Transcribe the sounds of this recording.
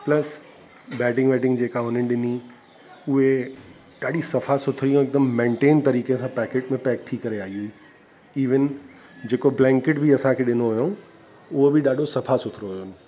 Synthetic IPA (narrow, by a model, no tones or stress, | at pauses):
plɐs | bɛːʈɪ̃ŋɡʋɛːʈɪ̃ŋɡd͡ʑeːkaɦʊn̤ənɪ̆ɗɪni | ʊɦe | ɗaːɗisɐfasʊt̪ʰɾijõɪk̚d̪əmːẽːɳʈeːnt̪ɐɾiːkesãpɛːkeːʈmẽpɛːk̚t̪ʰikɐɾeaːɦiuiː | iːʋɪn | d͡ʑeːkoblɛ̃ːŋkɪʈbiɐsãkʰeːɗɪnoɦʊjõ | ʊɦobɪɗaːɗʱosɐfasʊt̪ʰɪɾoɦʊjon